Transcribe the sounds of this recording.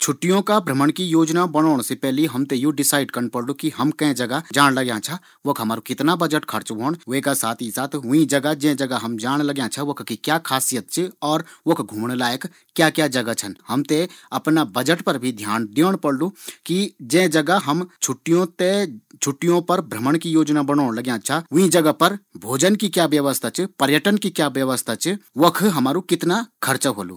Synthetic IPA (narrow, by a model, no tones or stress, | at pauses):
t͡ʃʰʊʈːijõkabʱɾəməɽ̃kijoːd͡ʒnabɐɽ̃oːɽ̃sepɛːɦliɦɐmt̪ejoɖɪsaːɪɖkɐɾnpəɽlukiɦɐmkɐ̃ẽd͡ʒɐɡad͡ʒaːɽ̃ləɡjãt͡ʃʰa | ʋokʰɦɐmaːɾokɪt̪nabəd͡ʒəʈkʰɐɾt͡ʃboːɽ̃ʋekasaːt̪ʰisaːt̪ʰɦʊĩd͡ʒɐɡad͡ʒẽd͡ʒɐɡaɦɐmd͡ʒaːɽ̃ləɡjãt͡ʃʰɐʋokkikjaːkʰaːsijət̪̚t͡ʃʰeɔːɾʋokɡʱuːmɽ̃laːjək | kːjaːkjaːd͡ʒɐɡat͡ʃʰənhɐmt̪eɐpnabɐd͡ʒəʈpɐɾbʱid̪ʱjaːnɖ̪eoɽ̃pɐɽlukid͡ʒẽd͡ʒɐɡaɦɐmt͡ʃʰʊʈːijõt̪et͡ʃʰʊʈːijõpɐɾbʱɾəməɽ̃kijoːd͡ʒnabɐnoːɽ̃lɐɡjãt͡ʃʰaʊ̃ĩd͡ʒɐɡapɐɾbʱoːd͡ʒənkikjaːʋjəʋəst̪ʰat͡ʃʰipɐɾjəʈənkikjaːʋjɐʋəst̪ʰat͡ʃʰiʋokʰɦɐmaːɾukɪt̪nakʰɐɾt͡ʃəɦoːlṵː